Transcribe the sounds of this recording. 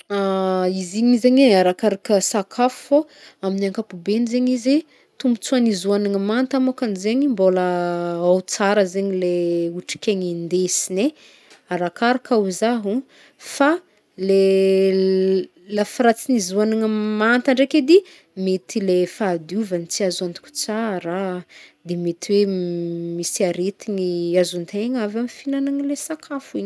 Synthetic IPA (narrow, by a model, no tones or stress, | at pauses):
aiziɲizeɲeaɾakaɾakəsakʰafu̥fo | aminaŋkapubenizeɲize | t̪umbu̥t͡suanizuanaŋamant̪amakanizeɲimboləawt͡saɾəzeɲileuʈ͡ʂi̥kʲeɲind̪esine | aɾakaɾakauzaɦu | fa | le | lafiɾat͡sinizuanaŋamant̪aɳɖ͡ʐeked̪i | met̪ilefad̪uvanit͡siazuant̪u̥kʲu̥t͡saɾad̪emet̪iwe | misiaɾet̪iɲiazunt̪eŋavamifinanaŋilesakʰafuiɲ